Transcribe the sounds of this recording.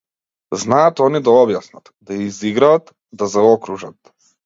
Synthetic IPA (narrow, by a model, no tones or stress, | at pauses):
znaat̪ɔnid̪aɔbjasnat̪d̪aiziɡɾaːt̪ | d̪azaɔkɾuʒat̪